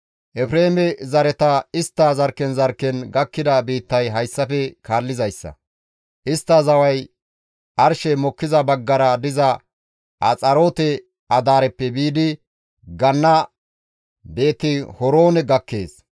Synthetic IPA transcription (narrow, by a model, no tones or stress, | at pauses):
ʔɛfɾeːmɛzɐɾɛt̪ɐɪst̪ːɐzɐɾkːɛnzɐɾkːɛnɡɐkːɪd̪ɐbiːt̪ːɐjɦɐjsːɐfɛkʰaːlːɪzɐjsːɐ̰ | ʔɪst̪ːɐzɐwɐj | ʔɐɾʃɛmɔkːɪzɐbɐɡːɐɾɐd̪ɪzɐ | ʔɐt͡sʼɐɾoːt̪ɛ | ʔɐd̪aːɾɛpːɛbiːd̪ɪ | ɡɐnːɐ | be̞ːt̪ːɪhɔɾoːnɛɡɐkːe̞ːs